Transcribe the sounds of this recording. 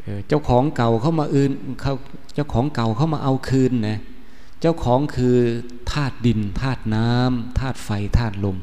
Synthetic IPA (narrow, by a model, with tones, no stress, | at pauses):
ʔɤː˧t͡ɕa˧˩wkʰɔː˩˦ŋka˨˩wkʰa˥˩wmaː˧ʔɯː˧n˧kʰa˧˩w | t͡ɕa˧˥˩wkʰɔː˩˦ŋka˨˩wkʰa˧˥˩wmaː˧ʔa˧wkʰɯː˧nːɛ˦˧˩ | t͡ɕa˧˥˩wkʰɔː˩˦ŋkʰɯː˧ | t̪ʰaː˥˩t̪̚di˧nt̪ʰaː˥˩t̪̚naː˦˥mt̪ʰaː˥˩t̪̚fa˧jt̪ʰaː˥˩t̪̚lo˧m